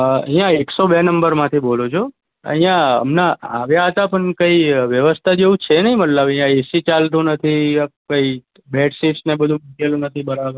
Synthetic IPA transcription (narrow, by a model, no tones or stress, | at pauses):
ə̰ɦĩjãeksobenəmbəɾmãt̪ʰibolot͡ʃʰo | ə̰ɦĩjãə̰mnaaʋjaɦət̪apəɳkəiʋjəʋəst̪ʰad͡ʒeũt͡ʃʰenəɦĩməllaʋɦĩjãesit͡ʃalt̪ũnət̪ʰikəi | beʈsiʈsnebəd̪ʱũmukelũnət̪ʰibəɾaʋ